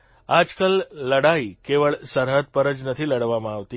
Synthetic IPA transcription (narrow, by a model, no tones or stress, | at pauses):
ad͡ʒkəlːəɽaikeʋəɭsəɾɦət̪̚pəɾəd͡ʒnət̪ʰiləɽʋamãaʋt̪i